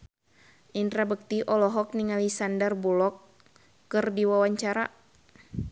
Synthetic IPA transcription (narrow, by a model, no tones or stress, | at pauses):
ʔint̪ɾabək̚t̪iʔɔlɔɦɔk̚niŋalisandərbulɔkː | ɨrdiwawaɲt͡ʃaɾa̰